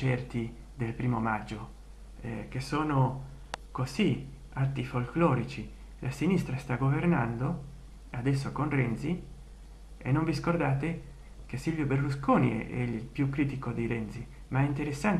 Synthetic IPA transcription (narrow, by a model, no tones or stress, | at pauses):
ɛrt̪i | d̪elpɾiːmomad͡ʒːo | kesoːno | kozi | at̪ːifolklɔːɾit͡ʃi | lʔasinist̪ɾast̪aɡovernand̪o | ad̪ɛs̬ːokonrɛnt̪si | ḛnːoɱviskord̪aːt̪e | kesilvjoberluskoːnḭɛ̰ḛilpjukːɾiːt̪ikod̪iɾɛnt̪si | maɛint̪eɾesːant̪